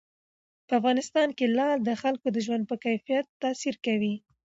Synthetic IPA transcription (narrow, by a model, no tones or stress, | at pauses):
pəafɣɑnɪst̪ɑnkelɑld̪əxalkod̪əʒwand̪̚pəkajfijat̪ːɑsiɾkawi